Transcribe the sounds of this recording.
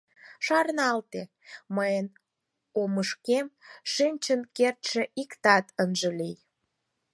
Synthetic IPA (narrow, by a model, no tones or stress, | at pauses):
ʃɑɾnɑlt̪e | məjən | oməʃkemʃinʲt͡ɕənkert̪ʃeʔikt̪ɑt̪ənʒəlij